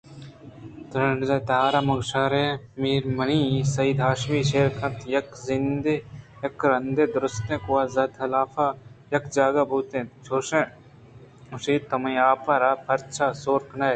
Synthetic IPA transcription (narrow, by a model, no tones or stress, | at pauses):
t̪ɾɐɳɖzɐt̪aːɾamɐɡʃaːɾe | miːɾmɐnisɐiːd̪aːʃmiːʃeːɾkʰɐ̃nt̪ʰjɐkzɪnd̪ejɐkɾɐnd̪ed̪ɾʊst̪ẽːkuaːzɐd̪ɐlaːfajɐkd͡ʒaːɡabʱuːt̪ẽːt͡ʃʰoːʃẽ | ʊsiːt̪ɐmɐ̃aːpɐɾaːpʰɐɾt͡ʃʰaːsoːɾknɐj